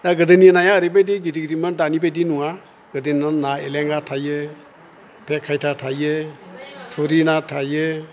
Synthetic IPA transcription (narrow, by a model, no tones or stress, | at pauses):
daɡɯdɯninajaːɾɯbajdiɡidiɡɾimɯndanibajdinuŋa | ɡɯdɯnanaeleŋɡatʰajɯ | pʰɛkʰːajtʰatʰajɯ | tʰuɾinatʰajɯ